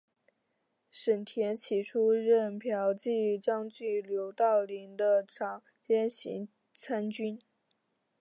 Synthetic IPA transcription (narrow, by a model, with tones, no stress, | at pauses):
ʂə˨˩nt̪ʰjɛ˧˥nt͡ɕʰi˨˥˩ʈ͡ʂʰu˥ɻə˥˩npʰjɑ˧˥ʊt͡ɕi˥˧ʈ͡ʂɑ˥ŋt͡ɕy˥˩ljo˧˥ʊt̪ɑ˥˩ʊli˧˥ŋd̪ə˧ʈ͡ʂʰɑ˨˩˦ŋ | t͡ɕjɛ˥nɕḭ˧˥ŋ | t͡sʰa˥nt͡ɕy˥n